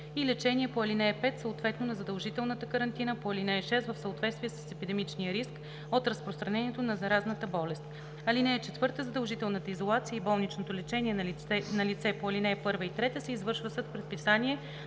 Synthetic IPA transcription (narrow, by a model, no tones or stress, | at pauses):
ilɛt͡ʃɛniɛpoɐlinɛɛpɛt̪səot̪vɛt̪nonɐzɐd̪əlˠʒit̪ɛlˠnət̪əkəɾɐnt̪inəpoɐlinɛɛʃɛst̪vəfsəot̪vɛt̪st̪vʲiɛsə̥sɛpid̪ɛmit͡ʃnijəɾisk | ot̪ɾɐspɾost̪ɾɐnɛniɛt̪onɐzɐɾaznət̪əbɔlɛst̪ | ɐlinɛɛt͡ʃɛt̪vɤɾt̪əzɐd̪əlˠʒit̪ɛlˠnət̪əizolˠat̪siəibɔlˠnit͡ʃnot̪olɛt͡ʃɛnʲiɛnɐlit̪sɛpoɐlinɛpɤɾvəit̪ɾɛt̪əsɛizvɤɾʃvəsɤt̪pɾɛt̪̚pisaniɛ